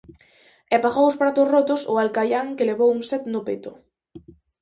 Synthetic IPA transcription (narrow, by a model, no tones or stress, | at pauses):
ɛpaɣowʊspɾat̪ʊsrot̪ʊsʊalkajaŋkeleβowuŋsɛt̪nʊpet̪ʊ